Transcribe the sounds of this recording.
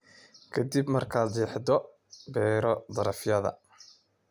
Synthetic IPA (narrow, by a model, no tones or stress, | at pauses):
kʰɐd̪ibmɐrkʰaːd̪liːħd̪ɔ | bɛːɾɔd̪ɐɾɐfjɐðɐ̰